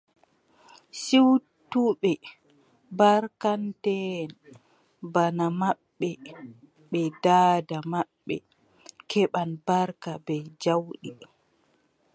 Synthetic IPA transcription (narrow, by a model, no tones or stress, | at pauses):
siwtuɓɛ | baɾkantɛn | banamaɓːɛ | ɓɛdaːdamaɓːɛ̰ | kʰɛɓanbaɾkabɛd͡ʒawɗi